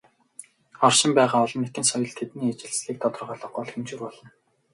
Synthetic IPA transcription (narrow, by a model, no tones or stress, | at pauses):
ɔrʃɪ̆mpæːʁaːɔɮɞ̆nːet̪ɘ̆nsɔjɞ̆ɮt̪ʰet̪niːat͡ɕɪ̆ɮsɮiːk̚t̪ʰɔt̪ɞ̆rʁœːɮɞ̆ɢʊːɮxemt͡ɕɪ̆rpɔɮɞ̆n